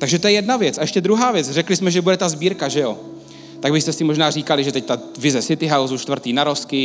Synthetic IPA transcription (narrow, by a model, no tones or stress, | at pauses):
t̪aɡʒɛt̪ojɛjɛdnavjɛt͡saɛʃcɛd̪ɾuɦaːvjɛt͡srɛklɪsmɛʒɛbudɛt̪azbiːɾkaʒɛjo̞ | t̪aɡbɪst̪ɛsɪmoʒnaːriːkalɪʒɛt̪ɛct̪a | vɪzɛsɪt̪ɪɦawzuʃt̪vr̩t̪iːnaɾo̞skɪ